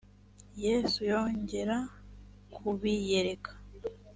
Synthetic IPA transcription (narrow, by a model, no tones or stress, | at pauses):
je̞ːsujo̞ːɲɟe̞ɾa | kʰuβije̞ɾe̞kʰḁ